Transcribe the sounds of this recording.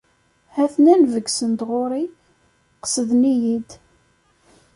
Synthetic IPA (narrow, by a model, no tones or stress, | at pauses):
hæθnænvəɡsənd̪ʁoɾˤi | qə̥səðnijid̪